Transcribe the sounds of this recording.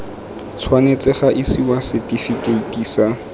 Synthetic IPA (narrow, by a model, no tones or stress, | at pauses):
t͡sʰwanet͡sɪχaʔɪsiwasɛtʼifikeitʼiːsa